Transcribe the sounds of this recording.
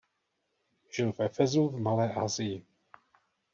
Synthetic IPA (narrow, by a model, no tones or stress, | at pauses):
ʒ̥ɪlvɛfɛzuvmalɛːʔaːzɪjɪ